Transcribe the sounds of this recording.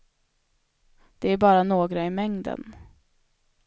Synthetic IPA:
d̪̥ɛæɾbɑːɾanoːɡɾaɪmɛŋd̪ə̰n

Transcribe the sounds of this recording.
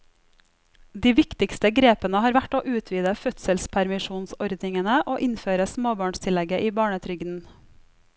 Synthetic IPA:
d̪iːʋɪkt̪ɪkst̪əɡɾeːpənəhɑːɾʋæʈoːʔʉːt̪ʰʋiːd̪əfœt̪səlspʰæɾmɪʃuːnsɔɾd̪nɪŋənəʔoːʔɪnføːɾəsmoːbɑːɳst̪ʰɪlɛɡəʔiːbɑːɳət̪ʰɾʏɡd̪n̩

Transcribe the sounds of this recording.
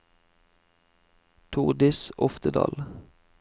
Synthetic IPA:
t̪ʰuʁd̪ɪsɔft̪əd̪ɑ̰ːl

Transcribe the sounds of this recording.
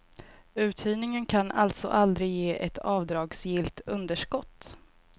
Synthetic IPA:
ʉ̟ːt̪ʰyːnɪŋənkʰanʔa̰lt̪sɔ̰ʔald̪ɾɪjeːʔɛt̪ʰɑːvd̪ɾɑːɡsjɪlt̪ɵnd̪əʂkɔt̪ː

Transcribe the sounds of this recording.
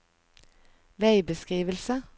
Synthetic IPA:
ʋeɪbəskʁiːʋəlsə

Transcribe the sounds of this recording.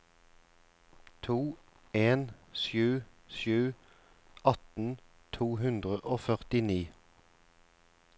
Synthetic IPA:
t̪ʰuː | eːnʃjʉː | ʃjʉː | ʔɑt̪n̩ | t̪ʰuːhʉnd̪ʁəʔoːfœʁt̪ɪniː

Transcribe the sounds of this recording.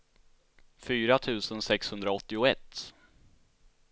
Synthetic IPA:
fyːɾat̪ʰʉ̟ːsənsɛkshɵnd̪ɾaɔt̪ːɪʊɛt̪ː

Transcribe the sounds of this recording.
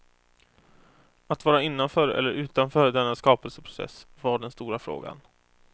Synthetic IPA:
at̪vɑːɾaɪnːanfœːɾɛ̰lːəɾʔʉ̟ːt̪anfœːɾd̪ɛnːaskɑːpɛlsəpʰɾʊ̥sɛ̰svaɖɛnst̪uːɾafɾo̰ːɡa̰n

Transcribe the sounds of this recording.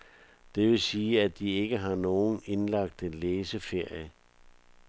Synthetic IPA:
d̥e̝ʋe̝siːæd̥ie̝ɡ̥əɦɑ̈no̝ːn̩e̝nlɑ̈ɡ̥̚d̥enleːsəfe̝ɐ̰jə

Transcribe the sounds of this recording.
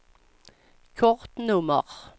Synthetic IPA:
kʰɔʁt̪nɵmə̰ʁ

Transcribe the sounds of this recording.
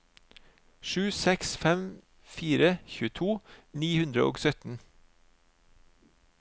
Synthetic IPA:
ʃʉːsɛksfɛm | fiːɾəçʉːət̪ʰuːniːhʉnd̪ɾə̰ʔo̰ːɡsœt̪n̩

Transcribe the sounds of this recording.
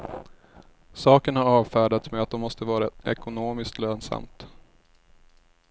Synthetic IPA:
sɑːkənhaɾɑːvfæːɖat̪smeːat̪̚d̪ɔmːɔst̪əvɑːɾaʔɛkʊnoːmɪskt̪løːnsa̰mt̪

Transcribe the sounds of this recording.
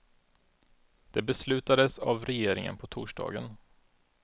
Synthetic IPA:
d̪̥ɛbɛslʉ̟ːt̪ad̪əsavɾɛjeːɾɪŋə̰npʰɔt̪ʰuːʂɖɑ̰ːɡən

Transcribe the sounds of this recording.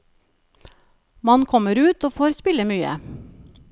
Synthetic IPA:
mɑnkʰɔməɾʉːt̪oːfoːɾspɪləmyːə̰

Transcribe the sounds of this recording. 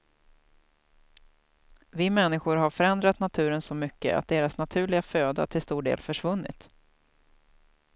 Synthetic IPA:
vɪmɛnːɪɧʊɾɦaɾfœɾɛnd̪ɾat̪nat̪ʰʉ̟ːɾənsɔmʏkːə̰ʔa̰t̪̚d̪eːɾasnat̪ʰʉ̟ːɭɪɡaføːd̪a̰ʈʰɪlst̪uːɖḛːlfœʂvɵnːɪ̰t̪

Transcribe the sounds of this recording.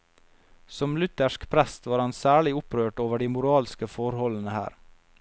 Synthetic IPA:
sɔmlʉt̪əʃkpʰɾæst̪ʋɑːɾhɑnsæːɭɪʊpɾøːʈoːʋəɖiːmʊɾɑːlskəfɔɾhɔlnəhæ̰ːɾ

